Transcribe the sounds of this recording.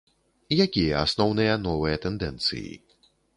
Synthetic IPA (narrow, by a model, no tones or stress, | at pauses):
jakʲia̰snownejanoːweːt̪end̪ɛ̃nt͡sḭː